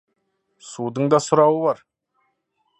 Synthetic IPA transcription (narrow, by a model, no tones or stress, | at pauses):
sud̪əɴd̪ɑsʊɾɑwəbɑɾ